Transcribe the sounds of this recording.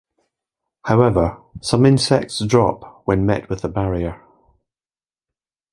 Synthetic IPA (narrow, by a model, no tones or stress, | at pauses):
haʊɛvə˞sʌ̃mɪ̃nsɛk̚tsdɹɔ̰pwə̃nmɛ̰ʔwɪðəbaɹiə˞